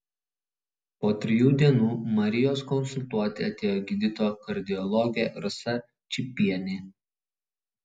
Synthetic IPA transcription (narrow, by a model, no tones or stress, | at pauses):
poːt̪ʲɾʲɪjuːd̪ʲiɛnuːmɐɾʲɪjoːskɔnsʊlʲt̪uɔt̪ʲɪɐt̪ʲeːjoːɡʲɪd̪ʲɪt̪oːkɐɾʲd̪ʲɪɔlˠɔɡʲɛɾʊsɐ | t͡ʃʲɪpʲiɛnʲɪ